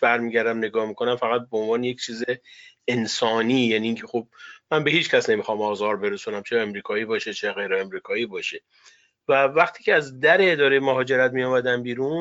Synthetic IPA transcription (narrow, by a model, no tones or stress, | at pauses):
b̥æɾmiːɟæɾd̪æmne̞ɡɒːhmikʰo̞næmfæɣæt̪̚beonvɒːneje̞ct͡ʃʰiːzeensɒːniːjæniːncʰe̞xob̚mænbe̞hiːt͡ʃcʲʰæsne̞mixɒːmɒːzɒːɾbe̞ɾesunæmt͡ʃʰeemɾiːkʰɒːiːbɒːʃet͡ʃʰeɣejɾeemɾiːkʰɒːiːbɒːʃe | vævæχt̪ʰiːcʰeæzd̪æɾeːd̪ɒːɾejemoɦɒːd͡ʒe̞ɾæt̪mijɒːmæd̪æmbiːɾun